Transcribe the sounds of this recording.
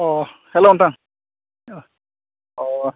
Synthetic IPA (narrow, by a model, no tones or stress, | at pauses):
ɔ | hɛlont̪aŋ | ɔ